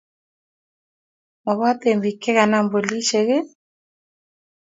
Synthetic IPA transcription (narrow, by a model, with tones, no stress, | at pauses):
mɔ˨βa˦t̪e˨mbi˨kɛ˦ɣa˨na˦mbo˨li˦ʃe˨ɣe˦